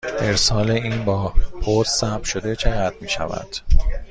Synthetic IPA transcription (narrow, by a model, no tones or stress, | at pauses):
ʔe̞ɾsɒːleiːnbɒːpʰot̪sæt̪ʃod̪et͡ʃʰe̞ɣæd̪̚miːʃæ̰væ̰d̪̥